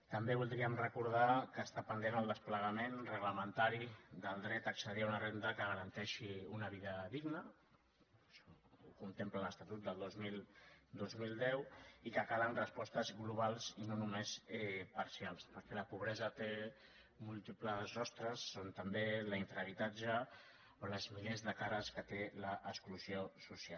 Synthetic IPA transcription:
t̪əmbeβulˠd̪ɾiəmrəkuɾð̞akəːst̪apənd̪enəlˠd̪əspləɣəmenrəɣləmənt̪aɾid̪əlˠd̪ɾɛt̪əksəð̞iaunərend̪əkəɣəɾənt̪ɛʃiunəβiðəðiɡnə | ʃɔukunt̪emplələst̪at̪ut̪̚d̪əlˠd̪ozmild̪ozmild̪ɛwikəkalənrəspɔst̪əzɣluβ̞alˠzinonumesɛpaɾsialˠspəɾkɛləpuβɾɛzət̪e | mulˠt̪ipləzɔst̪ɾəsːont̪əmbeləiɱfɾəβ̞it̪ad͡ʒə | oləzmilezðəkaɾəskət̪eləʔəkskluzjosusial

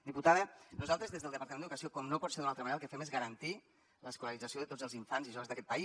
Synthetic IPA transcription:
d̪iput̪aðənuzalˠt̪ɾəzðezðəlˠd̪əpɐɾt̪ɐmẽnəðukəsiokɔmnopɔt̪seɾðunalt̪əmanɾalˠkəfɛmezɣəɾənt̪i | ləskuləɾid͡zəsioðət̪od͡zəlˠziɱfanziʒɔβəzðəkɛt̪̚pɐi

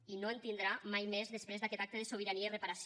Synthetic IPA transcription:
inoent̪ind̪ɾamajmezðespɾezðakɛt̪ak̚t̪əðesoβ̞iɾaniairepaɾas

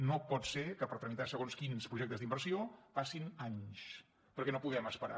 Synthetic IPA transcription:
nopɔt̪seɾkəpəɾt̪ɾəmit̪asəɣonskinspɾuʒek̚t̪əzðimbəɾsiopasinaɲs | pəɾkɛnopuðɛməspəɾa̰

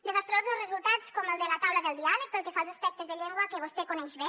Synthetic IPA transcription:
d̪ezast̪ɾozulˠzrəzulˠt̪at͡skɔmelˠd̪əlat̪awlaðəlˠd̪ialək̚pəlˠkefalˠzaspɛk̚t̪əzðeʎeŋɡwakəβ̞ost̪ekunɛʒβe

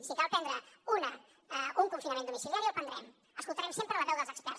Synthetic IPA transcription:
sikalˠpɛnd̪ɾəunə | uŋfunsjunɐmẽnd̪umisiljaɾiopənd̪ɾɛm | əskulˠt̪aɾɛmsempɾəlɐðɛwðəlˠzəkspɛ̰ɾ

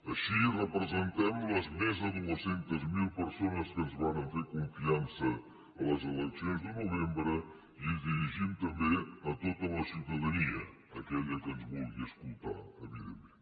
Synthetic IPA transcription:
əʃirəpɾəzənt̪ɛmləzmezðəðuləsent̪əzmilˠpəɾsonəskənzβanənfekuɱfiansəː | ləzələt͡ʃɛnzd̪ənuβembɾə | iəðiɾiʒimt̪əmbenət̪ot̪ələsiwt̪əðəniə | əkɛʎəkənzmɔlˠɣiəskulˠt̪a̰əβiðəme

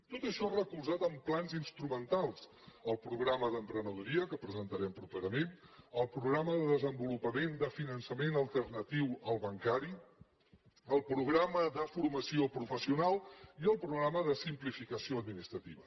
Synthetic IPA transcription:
t̪ot̪əʃɔrəkulˠzat̪əmplanzinst̪ɾumənt̪alˠs | əlˠpɾuɣɾaməðəmpɾənəðuɾiəkəpɾəzənt̪əɾɛmpɾupeɾəmenəlˠpɾuɣɾaməðəðəzəmbulupəmend̪əfinənsəmenəlˠt̪ərnət̪iwəlˠβəŋkaɾi | əlˠpɾuɣɾaməðəfurməsiopɾufəsiunalˠiəlˠpɾuɣɾaməðəsimplifikəsioəd̪minist̪ɾət̪iβə

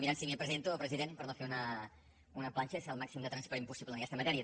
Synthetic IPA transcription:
miɾansimepɾəzent̪uəlpɾəziðenpəɾnofeunə | unəplanʲt͡ʃəsəlˠmaksimd̪ət̪ɾənspəɾimpusiplənəkɛst̪əmət̪ɛɾiə

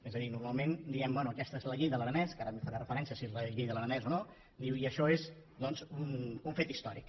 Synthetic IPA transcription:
ezəðinuɾmalˠmend̪iɛmbwɛnuəkɛst̪əezləʎiʎðəlˠəɾənɛskaɾəmefaɾarəfəɾɛnsiəsiezləʎiʎðəlˠəɾənɛzono | d̪iwiəʃɔez | d̪ɔnzunuɱfet̪ist̪ɔɾḭk

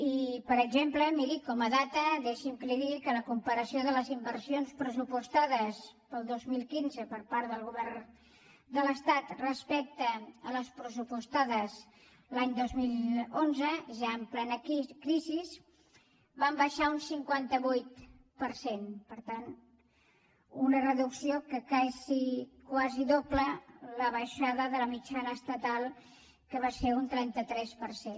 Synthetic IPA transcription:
ipəɾəɡzempləmiɾikɔməðat̪əðeʃimkɾiɾikələkumpəɾəsioðələzimbəɾsionspɾəsupust̪aðəspəlˠd̪ozmilˠkinzəpəɾpaɾðəlˠɣuβɛr | d̪ələst̪at̪rəspɛk̚t̪əələspɾəsupust̪aðəz | laɲd̪ozmilˠonzəʒaəmplɛnəkɾiziz | bambəʃaunsiŋkwant̪əβujt̪̚ | pəɾsenpəɾt̪an | unərəðuksiokəkazikwaziðoplələβəʃaðəðələmit͡ʃanəːst̪ət̪alˠ | kəβ̞aseunt̪ɾɛnt̪ət̪ɾɛspəɾsen

